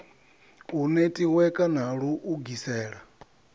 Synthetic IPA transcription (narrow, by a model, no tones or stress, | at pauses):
unetʼiwɛkʼanaɺuʔuɡisɛːɺa